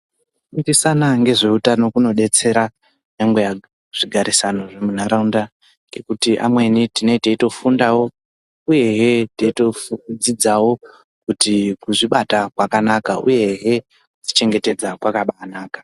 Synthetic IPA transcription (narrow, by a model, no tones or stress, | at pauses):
indisanaŋɡe̞ʐe̞utano̞kuno̞ɗe̞t͡se̞ɾa | ɲaŋɡe̞ja | ʐ̥iɡʱaɾisano̞ʐemun̤aɾaunda | ŋɡekutiʔa̰mwe̞nitine̞iteito̞fundawo̞ | uje̞ɦeteitofud͡zid͡zawo̞ | kutikuʐiɓatakwakanakaṵje̞ɦe̞ | kut͡ʃi̥t͡ʃe̞ŋɡe̞te̞d͡zakwakaɓanaːkḁ